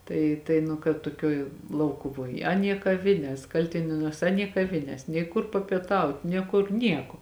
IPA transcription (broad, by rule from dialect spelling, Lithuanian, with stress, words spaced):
ˈtɐɪ tɐɪ nʊ kɐt tuɔˈkʲoːj ˈlˠɐʊkʊʋoːj ˈɑːˌnʲiɛ kɐˈʋʲɪnʲɛs ˈkɐlʲtʲɪnʲeːnuɔs ˈɑːˌnʲiɛ kɐˈʋʲɪnʲeːs nʲɛɪ ˈkʊr pɐpʲiɛˈtɐʊt nʲeː ˈkʊr ˈnʲiɛkoː